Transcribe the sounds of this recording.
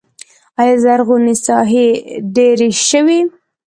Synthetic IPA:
ɑjɑzaɾɣunisɑɦeɖeɾeʃəwi

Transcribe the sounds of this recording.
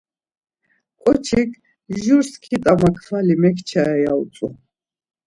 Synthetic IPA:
kʼɔt͡ʃʰikʰ | ʒuɾskʰit̪ʼamakʰvalimɛkʰt͡ʃʰaɛjaut͡s̪ʼu

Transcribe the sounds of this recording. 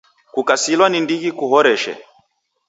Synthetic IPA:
kukasilwanindiɣikuɦɔɾɛʃɛ̰

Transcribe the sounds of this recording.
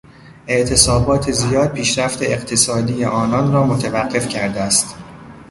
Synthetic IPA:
e̞ʔt̪ʰe̞sɒːbɒːt̪ʰe̞zijɒːd̪̥̚pʰiːʃɾæft̪ʰe̞eqt̪ʰesɒːd̪iːjeʔɒːnɒnɾɒːmot̪ʰevæɢːe̞fcʰæɾd̪eæst̪

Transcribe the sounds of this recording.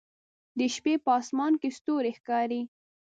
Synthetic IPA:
d̪əʃpepəɑsmɑnkest̪oɾexkɑɾi

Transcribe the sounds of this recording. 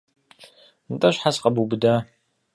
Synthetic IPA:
ntʼɐɕħasqɐbubɨda

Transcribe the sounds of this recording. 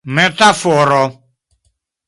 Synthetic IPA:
met̪afɔɾɔ

